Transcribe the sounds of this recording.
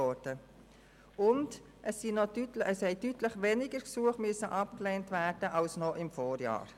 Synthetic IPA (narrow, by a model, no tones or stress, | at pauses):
ɔɾd̥ə | ʊnd | ʔɛsːinɔdytlʔɛshɛɪdytləχʋɛnɪɡəɾksuəχmʏsəʔɑpklɛntværd̥əʔɑlsnɔʔɪmfoːɾjɑ̰ːɾ